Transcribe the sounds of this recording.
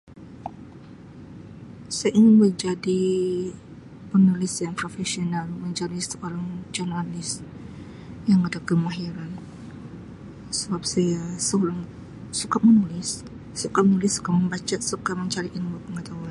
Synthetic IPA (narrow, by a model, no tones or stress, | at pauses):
sajʔiŋɪnməɲd͡ʒadi | pənulɪsjaŋpɾofɛsionalməɲd͡ʒadisəʔoɾaŋd͡ʒornalɪs | jaŋadakəmaɦiɾan | səbap̚sajasəolaŋ | sukap̚mənulɪsː | ukap̚ənulɪsːu̥kaməmbat͡ʃat̪sukaməɲt͡ʃaɾiʔinmupəŋət̪aɦuan